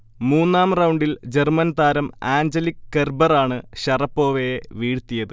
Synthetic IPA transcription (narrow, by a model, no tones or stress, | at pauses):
muːnːaːmrɐwɳɖild͡ʑermɐnt̪aːɾɐmaːɲd͡ʑɐlikːerbɐraːɳɨɕɐrɐpːo̞ːʋejeʋiːɽt̪ijɐðɨ